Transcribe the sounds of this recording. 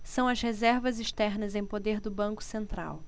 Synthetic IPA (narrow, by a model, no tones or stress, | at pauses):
sɐ̃w̃ɐzhezɛɾvɐziʃt̪ɛɾnɐzẽj̃pod̪eɾd̪ʊbɐ̃ŋkʊ̥sẽnt̪ɾa̰w